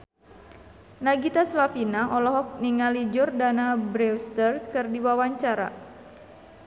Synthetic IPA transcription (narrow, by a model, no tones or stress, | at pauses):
naɡit̪aslafinaʔɔlɔɦɔk̚niŋalid͡ʒʊrdanabɾɛwst̪ərkɨrdiwawaɲt͡ʃaɾa̰